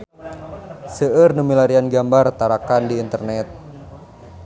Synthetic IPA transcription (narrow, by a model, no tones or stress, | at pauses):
səərnumilaɾianɡambart̪aɾakandiːnt̪ərnɛt̪̚